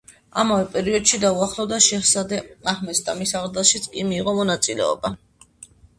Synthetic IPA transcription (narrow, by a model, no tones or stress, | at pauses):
a̰mavɛpʼɛɾiɔd̪̥ʃid̪auaχlˠɔvd̪aʃɛχsad̪ɛaχmɛst̪ʼamisaʁd̪ɛʃit̪sʰʼkʼimiːʁɔmɔnat̪sʼilɛ̰ɔ̰ba